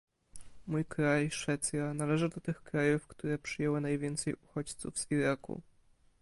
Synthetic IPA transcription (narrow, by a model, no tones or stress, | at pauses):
mujkɾajʂfɛt̪sʲjanalɛʐɨd̪ɔt̪ɘxkɾajufkt̪uɾɛpʂɘjɛwɘnajvʲjɛnt̪sɛjuxɔt͡ɕt̪sṵvz̥iɾakṵ